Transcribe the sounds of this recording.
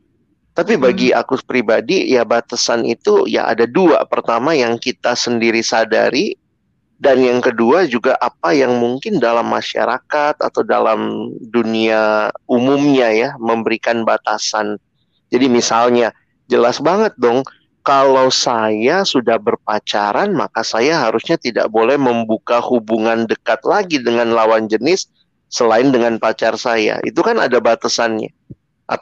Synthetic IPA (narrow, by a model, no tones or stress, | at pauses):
t̪apibaɡia̰kupɾibadijabat̪asanḭt̪uja̰ʔa̰dadua̰pərt̪amajaŋkit̪asəndiɾisada̰ɾi | danjaŋkəduad͡ʒuɡaʔapajaŋmuŋkɪndalamːaʃa̰ɾakat̪̚a̰t̪awda̰la̰mduniaumumɲajaməmbəɾikanbat̪asan | d͡ʒadimisalɲa | d͡ʒəlasbaŋət̪̚dɔŋ | kalawsajasudahbərpat͡ʃaɾanma̰kasajaɦaɾusɲat̪ida̰ʔbolɛhməmbukahubuŋandəkat̪̚laɡidəŋanlawand͡ʒənɪsː | əlaɪndəŋanpat͡ʃarsaja̰ʔḭt̪ukana̰dabat̪asanɲa̰ | ʔa̰